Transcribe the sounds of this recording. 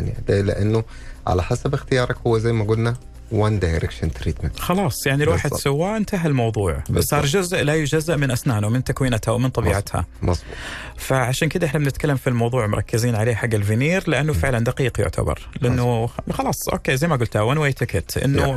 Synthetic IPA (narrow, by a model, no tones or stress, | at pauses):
and̪lɪ̰ʔanːʊ | ʕa̰laħasabɪxt̪ɪjɑːɾˤɑkhʊwːazajːmaɡʊlna | wand̪ajɾʔɪkʃant̪ɾiːt̪menxɑlɑːsˤjaʕnilwaːħɪd̪sawːaʔnt̪aɦɪlmɑwðˤuːʕbsˤɑːɾˤd͡ʒʊzʔlajʊd͡ʒazːɪʔmɪnʔasnaːnumɪnt̪akwiːnat̪hawmɪnt̪ˤɑbiːʕat̪ha̰mɑsˤbu | faʕaʃaːnkɪd̪aʔɪħnabɪnɪt̪kalːamfilmɑwðˤuːʕmʊ̰ɾˤɑkːɪziːnʕaleːħaɡːɪlvɪniːɾlɪʔanːʊfɪʕland̪aqiːqjʊ̰ʕt̪ʰa̰bɑ̰ɾˤlɪʔanːʊxɑlɑːsˤʔo̰ːkeːzajmaɡʊlt̪hawanwajt̪ɪkɪt̪ʔɪ̰nːu